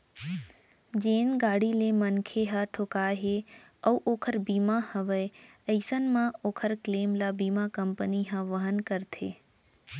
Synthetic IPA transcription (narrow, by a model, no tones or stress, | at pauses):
d͡ʒeːnɡaːɽilemənkʰeɦaʈʰoːkaɦe | əwʔoːkʰəɾbiːmãhəʋə | əɪsənmãoːkʰəɾkleːmlabiːmakəmpəniɦãʋəɦənkəɾt̪ʰeː